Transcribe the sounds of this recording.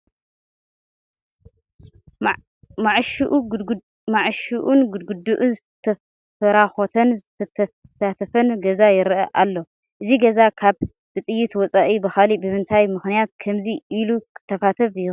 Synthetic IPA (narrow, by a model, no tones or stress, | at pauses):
maʕʃʔ | maʕʃuʔunɡud̪ɡud̪uʔunzɨt̪ʰɐ | fɐɾaxot̪ʰɐnzɨt̪ʰɐt̪ʰ | sat̪ʰɐfɐnɡɐzajɪɾʔɐʔalːo̞ | ʔɨziɡɐzakʰaβ | b̥ɨt̪ʼɨjːit̪wɔt͡sʼaʔibɨxalibɨmɨnt̪ʰajmɨxnijat̪kʰɐmziʔːlukʰɨ̥t̪ʰːɐfat̪ʰɐβɨju